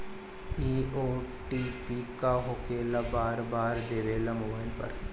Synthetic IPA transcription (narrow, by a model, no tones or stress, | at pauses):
iːoː | ʈiːpikaɦokeːlabaːɾbaːɾd̪eːʋeːlamoːbaːɪlpɐ̰ɾ